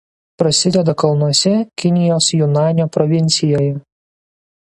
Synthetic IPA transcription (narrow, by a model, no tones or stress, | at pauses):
pɾɐsʲɪd̪ʲɛd̪ɐkɐlˠnuɔsʲɛkʲɪnʲɪjoːsjʊnɑːnʲoːpɾɔʋʲɪnʲt̪sʲɪjoːjɛ